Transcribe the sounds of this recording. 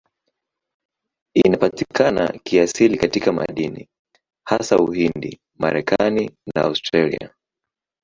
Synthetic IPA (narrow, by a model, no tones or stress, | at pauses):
inapatikʰana̰kiasilikatikama̰ɗinḭ | hasauhindi | ma̰ɾɛkaninaaustɾalḭa̰